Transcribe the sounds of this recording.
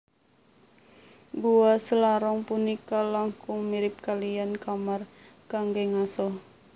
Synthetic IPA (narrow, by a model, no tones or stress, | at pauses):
buwasəlaɾɔŋpunikalaŋkʊŋmiɾɪp̚kalijankamarkaŋɡeŋasɔ